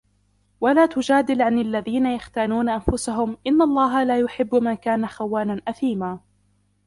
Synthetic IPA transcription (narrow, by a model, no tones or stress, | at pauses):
walaːt̪ʊd͡ʒaːd̪ɪlʕanalːaðiːnajaxt̪aːnuːnaʔanfʊsaɦʊmʔɪnːalˤːɑːɦalaːjʊħɪbːmankaːnaxawːaːnanʔaθiːmaː